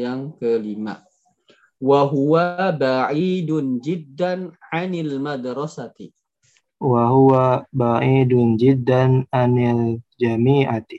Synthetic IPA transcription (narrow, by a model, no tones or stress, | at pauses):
jaŋkəlima̰ | waɦuwabaʕidʊnd͡ʒɪd̪ːanʕanalmad̪ɾɔsat̪i | waɦuwabaʕidʊnd͡ʒɪd̪ːananald͡ʒamiːʔat̪i̥